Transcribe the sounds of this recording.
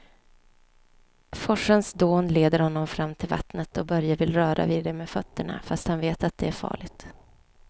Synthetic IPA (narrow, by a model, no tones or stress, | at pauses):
fɔʂənsd̪oːnleːd̪əɾhɔnːɔmfɾamːt̪ʰɪlva̰t̪nət̪ʰɔbœɾjavɪlɾœːɾa̰viːd̪ɛmeːfœt̪ːəɳa̰fast̪hanveːt̪at̪̚d̪ɛæɾfɑ̰ːɭɪɡt̪